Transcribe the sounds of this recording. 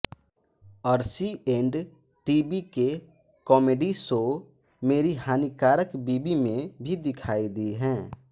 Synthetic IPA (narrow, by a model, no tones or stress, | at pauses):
ɔːɾsiẽːɳɖ | ʈiːbike | kɔːmeɖiso | meːɾihaːnikaːɾəkbiːbimẽbʱid̪ɪkʰaːid̪iɦɛ̃ː